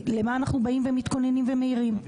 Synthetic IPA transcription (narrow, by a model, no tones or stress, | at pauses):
le̞maːnaχnubaimvemit̪ko̞ne̞nimveme̞iʁim